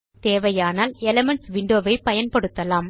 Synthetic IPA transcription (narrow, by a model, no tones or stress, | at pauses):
t̪eːʋɐjaːnaːlɛlɐmɐɳʈsʋɪɳɖoːʋɐɪpɐjɐnpɐɽɯt̪ːɐlaːm